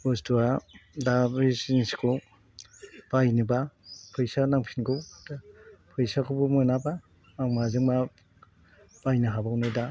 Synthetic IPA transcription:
bɔstuadabisinsi̥kʰɔ | b̥ajnɯbapʰɯjsanaŋpʰinɡɯw | pʰɯjsakʰubɯmɔnabaː | ŋmazɯŋma | b̥ajnɯɦabawnɯda

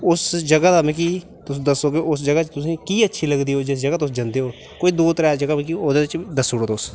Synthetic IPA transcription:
ʊsd͡ʒəɡaːd̪aːmɛ̃k̬iː | t̪ʊsːd̪əsːoːɡeoʊsd͡ʒəɡaːt͡ʃt̪ʊsĩːkiːətːʃʰiːləɡd̪iːɦoːd͡ʒɪsd͡ʒəɡaːt̪ʊsd͡ʒənd̪eːɦoː | koːiːd̪uːt̪ɾaːd͡ʒəɡamkioːd̪eːɪt͡ʃd̪əsːoːɽoːt̪ʊs

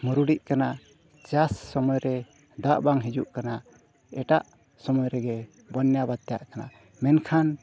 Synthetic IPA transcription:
muɾuɽiʔkana | t͡ʃasːɔmɔjɾɛ | d̪aʔbaŋɦid͡ʒṵʔkana | ɛʈaʔ | sɔmɔjɾɛɡɛ | bɔnjabad̪̚t̪ɛja̰ʔkana̰ | mɛnkʰan

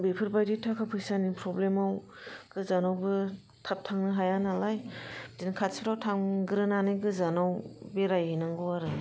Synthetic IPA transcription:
bepʰɯɾbajditʰakʰapʰɯjsanipʰɾɔblemaw | ɡ̥ɯzanawbɯ | tʰap̚tʰaŋnɯɦajanalajdinkʰatsɾawtʰaŋɡɯɾɯnanɯjɡɯzanawbeɾajhinaŋɡɔwaɾɯ

